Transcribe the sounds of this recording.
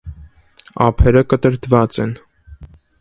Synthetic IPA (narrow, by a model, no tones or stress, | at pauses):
ɑ̰pʰɛɾəkət̪əɾd̪vɑt͡sɛn